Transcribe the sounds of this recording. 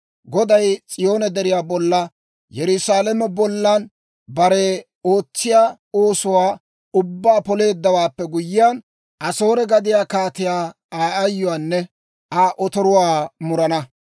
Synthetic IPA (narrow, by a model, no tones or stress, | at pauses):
ɡɔd̪ɐjt͡sʼɪjo̞ːnɛd̪ɛɾɪjaːbɔlːɐ | jɛɾʊsaːlɛmɛbɔlːan | bɐɾɛ | o̞ːt͡sːɪjaː | oːsʊwaː | ʊbːaːpɔle̞ːd̪ːɐwaːpːɛɡʊjɪjaːn | ʔɐso̞ːɾɛɡɐd̪ɪjaːkaːt̪ɪjaː | aːɐjːʊwaːnːɛ | aːʔɔt̪ɔɾʊwaːmʊɾɐnɐ